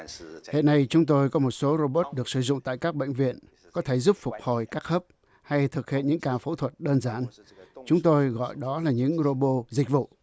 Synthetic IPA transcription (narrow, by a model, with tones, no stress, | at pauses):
hḛ˧˨nːa˧jt͡ɕʊ˨˦ŋ͡mt̪o˧jkɔ˨˦mo˨˩t̚so˨˦ɾo˧ɓo˦˥t̚ɗɨ˨˩ək̚sɨ˧˩zʊ̰˧˨ŋ͡mt̪a̰ː˧˨jkaː˦˥k̚ɓə̰˧˨ŋ̟vḭ˧˨ən | kɔ˨˦t̪ʰe˧˩zu˦˥p̚fʊ˨˩k͡p̚ho˨˩jkaː˦˥k̚həː˦˥p̚ | ha˧jt̪ʰɨ˨˩k̚hiḛ˧˨nɲɨ̰˧˥ŋkaː˨˩fo˨˦t̪ʰwə˨˩t̚ɗəː˧nzaː˨˦n | t͡ɕʊ˨˦ŋ͡mt̪o˧jɣɔ̰˧˨jɗɔ˨˦laː˨˩ɲɨ̰˧˥ŋɾo˧ɓo˧zi˨˩k̟̚vṵ˧˨